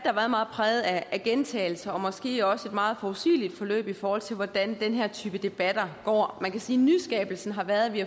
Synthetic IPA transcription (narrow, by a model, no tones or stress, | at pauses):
d̥ɑɑʋæːɐmɑ̈ːð̩ˠpʰʁɛːð̩ˠææɡ̥ent͡sʰɛ̰ɪl̩sɐɒ̽mɒ̽sɡ̥e̝̰ːɒ̽səe̝d̥mɑ̈ːð̞̩ˠfɒusḭːlid̥fɒ̽lø̰ːb̥ifɒːhɒ̽l̰t͡sʰe̝lʋɒd̥ænd̥enɦæɐt͡sʰyːb̥əd̥e̝b̥æd̥ɐɡ̥ɒ̰ːmænkʰæsiːnysɡ̥ɛ̰ːb̥l̩sn̩ɦɑ̈ʋæɐðˠʋi